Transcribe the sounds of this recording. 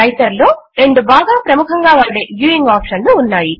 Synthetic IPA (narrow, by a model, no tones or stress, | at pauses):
ɐjt̪ɐɾlo̞ː | ɾe̞ɳɖubaːɡaːpɾɐmukʰɐŋɡaːʋaːɽe̞ːɡjuːiŋɡaːpʂɐnluːnːaːji